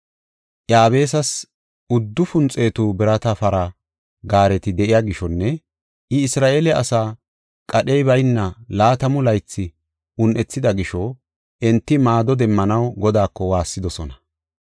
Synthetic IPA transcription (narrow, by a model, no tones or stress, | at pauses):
ʔjaːβe̞ːsɐs | ʊd̪ːʊfʊnt͡sʼe̞ːt̪uːbɪɾɐt̪ɐfɐɾɐ | ɡaːɾɛt̪ɪd̪ɛʔɪjaɡɪʃɔnːɛ | ʔɪɪsɾaːʔeːlɛʔɐsaː | kʼɐɗɛjbɐjnːɐlaːt̪ɐmʊlɐjt͡sːɪ | ʊnʔɛt͡sːɪd̪ɐɡɪʃɔ | ʔɛnt̪ːɪmaːd̪ɔd̪ɛmːɐnɐwɡɔd̪aːkːɔwaːsːɪd̪ɔsɔnɐ